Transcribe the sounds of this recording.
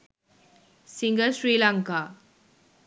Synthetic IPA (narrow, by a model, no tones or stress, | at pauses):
siŋɡəsɾiːlaŋka